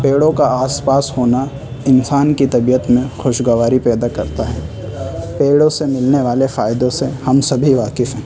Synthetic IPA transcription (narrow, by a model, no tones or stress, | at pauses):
peːɽõkaaːspaːshoːna | ɪnsaːnkit̪ɐbijət̪mẽxʊʃɡɐʋaːɾipɛːd̪akɐɾt̪aɦɛː | peːɽõsemɪlneʋaːlefaːjd̪õsehɐmsɐbʱiʋaːkɪfɦɛ̃ː